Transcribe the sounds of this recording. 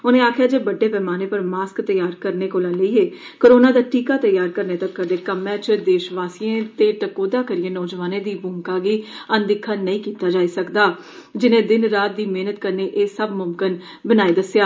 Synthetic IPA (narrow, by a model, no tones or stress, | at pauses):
ʊnẽːaːkʰjaːd͡ʒeːbəɖːeːpɛːmaːneːpəɾmaːskt̪əjaːɾkəɾneːkoːlãːləiːɦeː | koːɾoːnãːd̪aːʈiːkaːt̪əjaːɾkəɾneːt̪əkːəd̪eːkəmɛ̃ːt͡ʃd̪eːʃʋaːsijẽːt̪eːʈəkoːd̪aːkəɾɪẽːnɔːd͡ʒʋaːnẽːd̪iːbʊŋkaːɡiːənd̪ɪkʰːaːnəĩːkiːt̪aːd͡ʒaːiːsəkd̪aː | d͡ʒɪnẽːd̪ɪnɾaːt̪̚d̪iːmeːnət̪kəɾneːʔeːsəbmʊmkɪn | bənaːed̪əsjaː